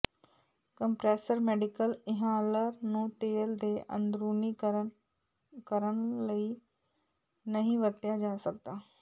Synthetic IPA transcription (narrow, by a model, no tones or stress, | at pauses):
kəmpɾɛːsəɾmɛːɖɪkəlɪɦaːləɾnũːt̪eːld̪eːʔə̰nd̪ɾuːniːk | kəɾənləiː | nəɦĩːʋət̪jaːd͡ʒãːsək̚d̪aː